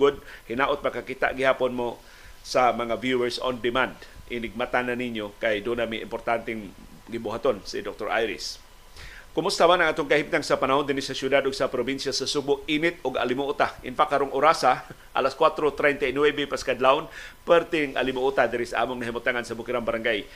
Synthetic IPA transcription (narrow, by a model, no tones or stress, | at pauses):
ɡʊd̪̚hɪnaʔot̪̚makakit̪a̰ʔɡɪhaːponmo | samɐŋavjuwɛɹso̰nd̪ɪmand̪ʔɪnɪɡ̚mat̪ananiɲjokajd̪ʊnamiʔɪ̰mpoɾt̪ant̪ɛŋ | ɡɪbʊɦat̪onsḭd̪ok̚t̪oɹa̰jɾɪ̰s | kʊmʊst̪amanɐŋaːt̪oŋkahip̚t̪aŋsapanaɦond̪ɪnɪsasjʊd̪ad̪ʊɡsapɾobinsjasasubʊk̚inɪt̪̚ʊɡa̰lɪmʊʔut̪aʔɪ̰nfaʔkaɾoŋʔʊɾasa | ʔa̰laskwat̪ɾot̪ɾɛjnt̪ainwɛbɛpaskad̪laʊnpɛɾt̪ɪŋʔa̰lɪmʊʔut̪ad̪ɪɾɪsaʔa̰ːmoŋnɐɦimʊt̪aŋansabʊkɪɾaŋbaɾaŋɡaj